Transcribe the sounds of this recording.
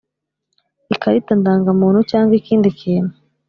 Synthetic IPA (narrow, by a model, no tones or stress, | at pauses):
ikaɾitandaːŋɡamuːn̥hut͡ʃaːŋɡwikiːndikʰiːnu